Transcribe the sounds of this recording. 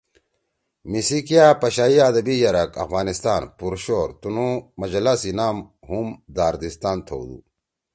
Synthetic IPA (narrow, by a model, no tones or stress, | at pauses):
misikijapɐɕaːiaːd̪ɐbijɐɾɐkɐ̰fɣaːnist̪aːnpuɾɕoːɾt̪unumɐd͡ʑɐlasinaːm | ɦumd̪aːɾd̪ist̪aːnt̪ʰo̰ːwd̪ṵ